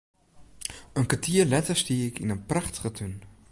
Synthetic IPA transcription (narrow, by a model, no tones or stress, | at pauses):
ənkatiːəɹlɛtəstiːɪkɪnənprɑχtə̥χətʰøn